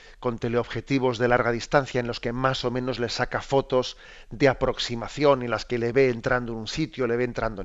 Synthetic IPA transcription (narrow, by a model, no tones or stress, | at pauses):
ko̞nt̪e̞leo̞βxe̞t̪iβo̞zðe̞laɾɣ̞aðist̪an̟θjaenlo̞ske̞maso̞mẽ̞no̞zle̞sakafo̞t̪o̞z | d̪eapɾo̞ksimaθjo̞nilaske̞le̞βe̞ːnt̪ɾand̪oenũnsit̪jole̞βe̞ːnt̪ɾand̪o